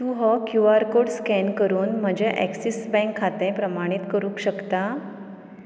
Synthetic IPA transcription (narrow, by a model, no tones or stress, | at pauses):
t̪uɦɔkjuaɾkoɽskɛnkəɾuːnm̤əd͡ʑɛʔɛ̰ksisbɛ̃ŋkʰːat̪ẽpɾəmaɽ̃it̪kəɾũːkɕəkt̪a